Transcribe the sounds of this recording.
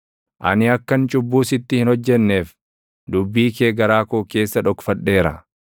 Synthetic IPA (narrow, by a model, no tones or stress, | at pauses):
ʔɐ̰nɪɐkːɐnt͡ʃʼʊbːuːsɪt̪ːɪhɪnhɔd͡ʒːɛnːe̞ːf | d̪ʊbːiːkeːɡɐɾaːkoːke̞ːsːɐᶑɔkfɐᶑːe̞ːɾɐ̰